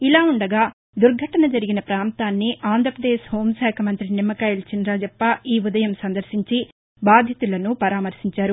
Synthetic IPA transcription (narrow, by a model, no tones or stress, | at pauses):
ilaːuɳɖɐɡaː | d̪uɾɡʱɐʈɐnɐd͡ʒɐɾiɡinɐpɾaːnt̪aːnːiʔaːnd̪ɾɐpɾɐd̪eːʃho̞ːmsɛːkʰɐmɐnt̪ɾinimːɐkɐjlt͡ʃinɾaːd͡ʒɐpːɐʔiːud̪ɐjɐmsɐnd̪ɐɾsiɲt͡ʃi | baːd̪ʱjɐt̪ulɐnupɐɾaːmɐɾsiɲt͡ʃaːɾu